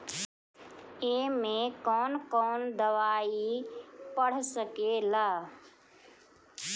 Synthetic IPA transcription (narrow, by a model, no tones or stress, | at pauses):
emẽkɔːnkɔːnd̪əʋaːipəɽ̤səkelaː